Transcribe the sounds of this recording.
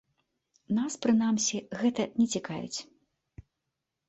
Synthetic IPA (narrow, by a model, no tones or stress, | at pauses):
naspɾɨnamsʲiɣɛt̪ɐnʲɛt͡sʲikajʲṵt͡sʲ